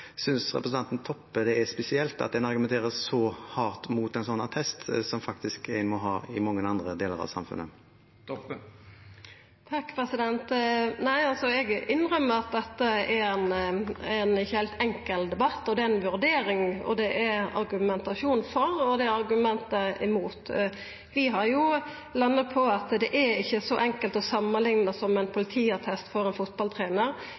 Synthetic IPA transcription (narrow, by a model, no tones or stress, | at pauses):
sʏnsɾɛ̰pɾəsn̩ɑnt̪n̩t̪ʰɔpːəd̪ɛɛspɛsɪɛlt̪ɑ̰t̪̚d̪ɛnɑɾɡʉmɛnt̪ʰeːɾəsːɔhɑːʁt̪muːt̪ɛɪnsɔnːɑt̪ʰɛst̪sɔmfɑk̚t̪ɪskæmɔɦɑːɪmɑŋːənɑnd̪ɾəd̪eːlə̰ɾɑ̰ʋsɑ̰mfʉ̰nːə̰ | t̪ʰɑkːpʰɾɛsɪd̪ɛnt̪næɪɑlsɔɛɡɪnːɾœmːəɾɑt̪̚d̪ɛt̪ːəɛɾɛnænɪçːəhæɪlt̪ɛŋkəld̪ɛbɑt̪ːɔd̪ɛæɾɛnʋʉɾd̪eːɾɪŋɔ̰d̪ɛʔɛɾɑ̰ɾɡʉmɛnt̪ɑʃuːn̩fɔɾɔd̪ɛæɑʁɡʉmɛnt̪əɪmuːt̪ | ʋɪɦɑɾjʊ | lɑnːət̪̚pʰɔɑt̪d̪ɛʔɛɪçːəsɔʔɛŋkəlt̪ɔsɑmːənlɪŋnəsɔmɛɪnpʰʊlɪt̪ʰiːɑʁt̪ʰɛst̪fɔɾɛnfʊt̪̚bɑlt̪ʰʁeːnəʁ